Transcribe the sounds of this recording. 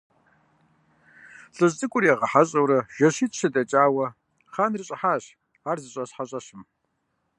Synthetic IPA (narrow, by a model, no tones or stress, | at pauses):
ɬʼɨʑt͡sʼɨkʷʼʊrjɛʁɐħaɕʼɐwɾɐʒ̥ɐɕiːtʰʼɕɐdɐt͡ʃʼaːwɐ | χaːnrɨɕʼɪħaːɕ | aːrzɨɕʼɐɕħaɕʼɐɕɪm